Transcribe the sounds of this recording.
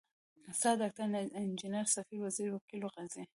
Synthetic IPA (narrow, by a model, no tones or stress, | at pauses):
sad̪ak̚t̪aɾnind͡ʒinaɾsafiɾwaziɾwakiloɣazia